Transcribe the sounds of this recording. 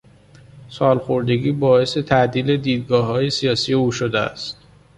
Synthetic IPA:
sɒːlxoɾd̪e̞ɡiːbɒːe̞se̞t̪ʰæʔd̪iːle̞d̪iːd̪̚ɡɒːɦɒːje̞sijɒːsije̞uːʃod̪eæ̰st̪̚

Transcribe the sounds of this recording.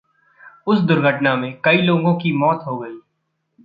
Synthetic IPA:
ʊsd̪ʊɾɡʱəʈnamẽkɐiloːɡõkimɔːt̪ɦoɡɐiː

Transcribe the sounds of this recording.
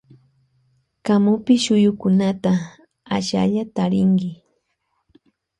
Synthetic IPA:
kamʊpɪʃʊjʊkʊnat̪a | aʃa̰ʎat̪aɾɪŋɡɪ

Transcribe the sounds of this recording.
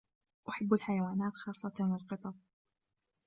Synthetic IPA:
ʔʊħabːalħajawaːnaːt̪xɑːsˤːɑt̪lɪlqɨt̪ˤɑb̚

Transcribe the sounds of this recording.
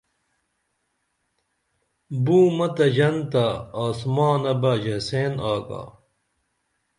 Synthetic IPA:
buːmɐt̪ɐd͡ʑɐnt̪aaːsmaːnɐbɐd͡ʑɐseːnaːɡa̰ː

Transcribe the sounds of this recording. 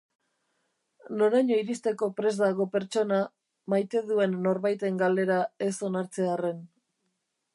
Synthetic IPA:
no̞ɾaɲo̞iɾist̪e̞ko̞pɾe̞zd̪aɣ̞o̞pe̞ɾt͡ʃo̞na | majt̪e̞ðue̞nːo̞ɾβajt̪e̞ŋɡald̪e̞ɾae̞so̞naɾt͡se̞are̞n

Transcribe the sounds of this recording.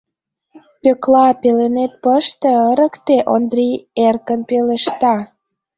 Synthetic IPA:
pøklɑpelenet̪̚pəʃt̪ĕəɾə̆kt̪eʔond̪rierkənpeleʃt̪ɑ

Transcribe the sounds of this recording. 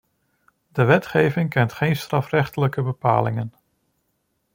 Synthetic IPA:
dəʋɛtχejvɪŋkɛntχejnstrɑfrɛχtələkəbəpa̰ːlɪŋən

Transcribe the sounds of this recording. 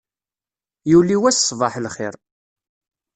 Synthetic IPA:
juwlːiwæssˤvɑħlχɪ̰ɾˤ

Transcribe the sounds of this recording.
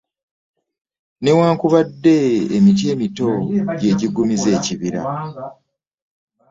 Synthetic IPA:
ne̞waːŋkuβadːe̞ːmit̬je̞ːmito̞ɟe̞ɟiɡumize̞ːciβiɾa̰

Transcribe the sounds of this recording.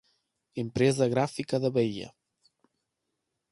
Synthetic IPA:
empɾɛzəɣɾafikəðəβeiʎə̰

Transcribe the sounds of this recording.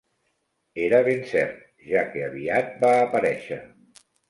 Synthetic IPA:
eɾəβ̞ensɛɾt̪̚ | ʒakeaβ̞iat̪̚baːpəɾɛʃə

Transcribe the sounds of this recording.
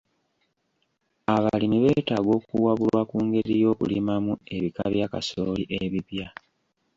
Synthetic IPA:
aβalimiβe̞taːɡo̞ːkuwaβulwakuːŋɡe̞ɾijo̞ːkulimamue̞βika̰βjaːka̰soːliʔeβipja

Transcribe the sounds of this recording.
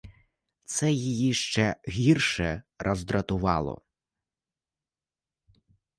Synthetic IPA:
t̪sɛjijiʃt͡ʃɛɣʲirʃɛɾʔɐzd̪ɾɐt̪ʊʋɑ̰lˠɔ̰

